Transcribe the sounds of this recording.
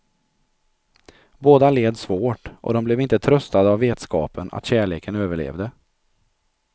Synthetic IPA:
boːd̪aleːd̪svoːʈʔɔ̰d̪ɔmblɛvɪnt̪ət̪ʰɾœst̪ad̪əavːeːt̪skɑːpʰəna̰t̪ɕæːɭeːkənøːvəɭḛːvd̪ə

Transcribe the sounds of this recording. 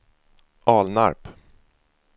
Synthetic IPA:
ʔɑːlna̰ɾp

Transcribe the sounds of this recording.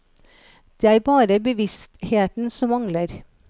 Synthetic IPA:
d̪̥eːæːɾbɑːɾəbəʋɪst̪heːt̪n̩sɔmɑŋləɾ

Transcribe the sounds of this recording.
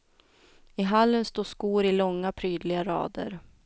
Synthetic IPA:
ɪɦalːənst̪oːskuːɾɪlɔŋːapʰɾyːd̪lɪɡaɾɑ̰ːd̪ə̰ɾ

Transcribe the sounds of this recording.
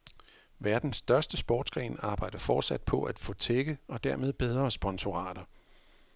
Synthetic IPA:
ʋæɐd̥n̩sːd̥ɶɐsd̥əsb̥ɒ̰ːd̥sɡ̥ʁɛ̰ːnɑ̈ːb̥ɑ̈ɪ̰d̥ɐfɒːd̥sæd̥pʰɒ̽ʔæd̥fɔ̰̽ːt͡sʰeɡ̥əɒ̽d̥æɐme̝ð̞ˠb̥eð̞ˠʁɐsb̥ɒ̽nso̝ʁɑ̰̈ːd̥ɐ

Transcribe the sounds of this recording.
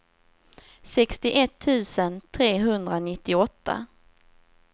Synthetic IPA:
sɛkst̪ɪʔɛt̪ʰːʉ̟ːsənt̪ʰɾeːɦɵnd̪ɾanɪt̪ːɪɔt̪ʰːa̰

